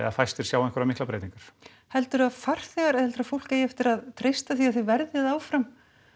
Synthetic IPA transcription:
ɛ̰afajst̪ɪɾ̥sjaːwɛ̃ŋkʏɾavmɪhklapɾejt̪iŋkaɾ̥ | hɛlt̪ʏɾaðfar̥θɛɣaɾɛhɛlt̪ʏɾafowl̥keːjɛft̪ɪɾaðt̪ʰɾejst̪aθiaθivɛɾðjaðaːwfɾam

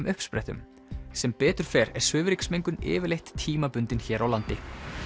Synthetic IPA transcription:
mʔʏhpspɾɛht̪ʏ̰m | sɛmpɛːt̪ʏɾ̥fɛːɾɛɾ̥svʏːvɪɾiksmejŋkʏnɪ̰ːvɪlejht̪ʰːiːmapʏnt̪ɪnçɛːɾawlant̪ɪ

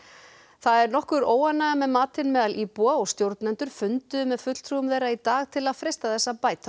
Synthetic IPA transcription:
θaðɛɾnɔhkʏɾoːwanːaɣamɛðmaːt̪ɪnmɛːðalʔiːpwaɔst̪jowɾt̪nɛnt̪ʏɾ̥fʏnt̪ʏmɛðfʏt̪l̥t̪ʰɾuʏmvɛːɾait̪aːɣt̪ʰɪlaðfɾejst̪aθɛsːapaːjt̪ʰa

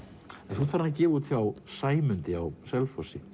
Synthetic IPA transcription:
ɛnθut̪faɾnacɛːvuːt̪θjawsaːjmʏnt̪ɪawsɛlfɔsɪ

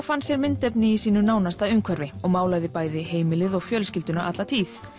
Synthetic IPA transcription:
wfansjɛɾmɪnt̪ɛpnɪisiːnʏnaːwnast̪aðʏŋkʰvœɾvɪɔɣmaːwlaɣðɪpaːjðɪheːjmɪlɪðɔɣfjœlscɪlt̪ʏnaʔat̪lat̪ʰiːθ

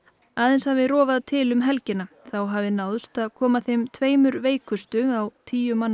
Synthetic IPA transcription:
aːðɛnshavɪðrɔːvaðt̪ʰɪlʏmɦɛlcɪnaθawɦavɪnawðʏst̪aðkʰɔːmaθejmt̪ʰveːjmʏɾveːjkʰʏst̪ʏawtt̪ʰiːjʏmanː

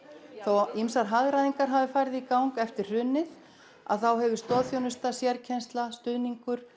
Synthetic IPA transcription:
θowimsaɾɦaðɾajðiŋkaɾɦaːvɪfaːjɾɪðikawŋkɛft̪ɪr̥r̥ʏnːɪð | a̰ðθawɦɛvʏ̥st̪ɔːðθjɔnʏst̪asjɛɾcʰɛnst̪last̪ʏðniŋkʏɾ̥

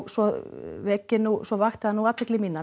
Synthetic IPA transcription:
sɔvɛcːɪnusɔvaxt̪ɪanuaːt̪vɛklɪminːa

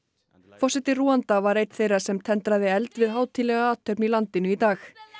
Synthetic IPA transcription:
fɔrsɛt̪ɪruːant̪avaɾejt̪θejrḁsɛmt̪ʰɛnt̪ɾaðɪɛlt̪vɪðɦaːwt̪ʰilɛɣaaːt̪ʰœpnilant̪ɪnʏit̪aːx

